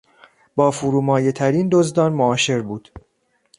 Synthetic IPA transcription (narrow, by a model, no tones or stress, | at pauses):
bɒːfuɾuːmɒːjet̪ʰæɾiːnd̪ozd̪ɒːnmoɒːʃe̞ɾbuːd̪̥